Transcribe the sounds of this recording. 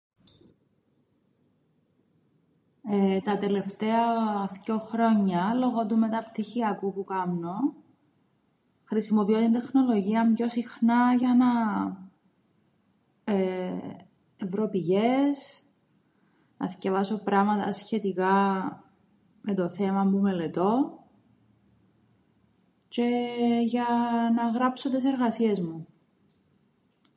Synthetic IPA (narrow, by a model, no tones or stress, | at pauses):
t̪ɐt̪e̞le̞ft̪eɐθco̞xɾo̞ɲːɐlo̞ɣot̪ume̞t̪ɐpt̪içiɐkupukɐmno̞ | xɾisimo̞piot̪ind̪e̞xno̞lo̞ʝiɐmʝo̞sixnɐʝɐnɐ | e | evɾo̞piʝes | nɐsce̞vɐso̞pɾɐmɐt̪ɐ̰sçe̞t̪ikɐ | me̞t̪o̞θe̞mɐmume̞le̞t̪o̞ | ce̞ʝɐnɐɣɾɐpsot̪es̬e̞ɾɣɐsie̞zmu